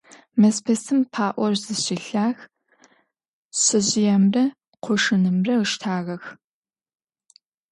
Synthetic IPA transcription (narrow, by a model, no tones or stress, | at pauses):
mɐspʰɐsɨmpʰaːʔʷɔrzɨɕɪɬaːx | ɕɨʑɪjɐmrɐ | qʷʰʊʂɨnɨmrɐɨʃtʰaːɣɐx